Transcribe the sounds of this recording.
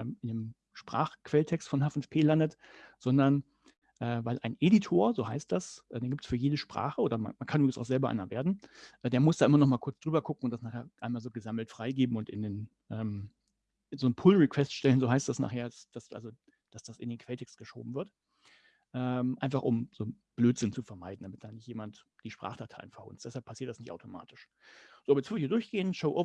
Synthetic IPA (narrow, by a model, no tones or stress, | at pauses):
ɛmʔɪndem | ʃpʁ̥a̰ːχkv̥ɛltʰɛkstfɔnhaːfnfpʰeːlandətz̥ɔndɐn | ʔɛːvaɪlʔaɪnʔeditʰoːɐzoːɦaɪst̚d̥asʔɛdeːnɡiptsfyːɐjeːdəʃpʁ̥a̰ːχəʔoːdɐma̰nmankʰanyːbʁɪɡŋsʔa̰ʊz̥ɛlbɐʔa̰ɪnɐveːɐdn̩ʔɛːdeːɐmʊsd̥aːʔɪmɐnɔχmaːlkʰʊɐt͡sd̥ʁyːbɐkʰʊkŋ̩ʊntd̥asnaːχeːɐʔaɪnmaːlzoːɡəzaml̩tfʁ̥aɪɡeːbm̩ʊntɪ̰ndeːn | ʔɛːm | zoːnpʰʊlʁikʰvw̥ɛstʃtɛlənzoːɦaɪstd̥asna̰ːχheːɐdasd̥asʔa̰lzo | d̥asd̥asɪ̰ndeːnkʰv̥ɛltʰɛkstɡ̥əʃo̰ːbm̩vɪɐt | ʔɛːmʔa̰ɪnfaχʔʊmz̥oː | b̥løːtz̥ɪnt͡sufɛɐmaɪdn̩damɪt̚d̥aːnɪçtjeːmant | d̥iːʃpʁ̥a̰ːχd̥atʰa̰ɪnfɛɐhʊ̰ntstd̥ɛshalpʰasiːɐt̚d̥asnɪçtʔa̰ʊtʰoma̰ːtʰɪʃ | z̥oːʔabɐjɛt͡svʏɐdəçiːdʊɐçɡ̥eːənʃoʊʔoʊ